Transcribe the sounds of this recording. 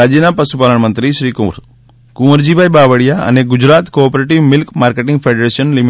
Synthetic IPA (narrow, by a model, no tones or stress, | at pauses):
ad͡ʒinapɐsupaːləɳmənt̪ɾiʃɾiːkuɾ | kuməɾd͡ʑibʱajbaːʋəɽijaɐ̰neɡʊd͡ʑɾaːt̪koːpɾeʈiʋmilkmaːɾkeʈĩŋɡpʰeɖɾeʃənlim